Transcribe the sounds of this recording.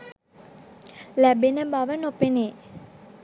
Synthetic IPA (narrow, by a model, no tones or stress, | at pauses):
læbenəbaʋənopeneː